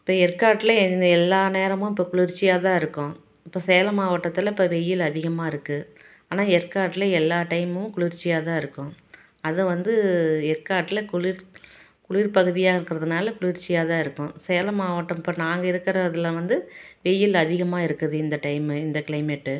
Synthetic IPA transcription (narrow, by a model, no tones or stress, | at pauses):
ɪpːoːɛɾkaːʈːɪlɐnd̪ɛlːaːneːɾɐmʊ̃ɪpːoːkʊɭɪɾt͡ʃːɪjaːt̪ãːɪɾɯkːʊ̃ | ɪpːoːsɛjɐlɐmaːʋɐʈːɐt̪ːɪlɐɪpːoːʋɛjɪlɐðɪɣɐmaːɪɾɯkːɯ | aːnaːɛɾkaːʈːɪlɐɛlːaːʈɐɪmɐʊ̃kʊɭɪɾt͡ʃːɪjaːt̪ãːɪɾɯkːʊ̃ | ɐðɯʋɐnd̪ɯɛrkaːʈːɪlɐkʊlɪɾ | kʊɭɪɾpɐɣɯðɪjaːɪɾɯkːɪɾɐðɯnaːlɐkʊɭɪɾt͡ʃːɪjaːt̪ãːɪɾɯkːʊ̃sɛjɐlɐmaːʋɐʈːɐ̃mɪpːoːnaːŋɡɐɪɾɯkːɐɾɐɐðɪlɐʋɐnd̪ɯʋɛjɪlɐðɪɣɐmaːɪɾɯkːɐðɯɪnd̪ɐʈɐɪmɪnd̪ɐkɭɐɪmɛʈːɯ